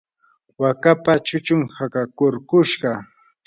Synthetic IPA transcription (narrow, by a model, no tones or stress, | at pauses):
wakapat͡ʃʊt͡ʃʊmhakakʊɾkʊʃɢɑ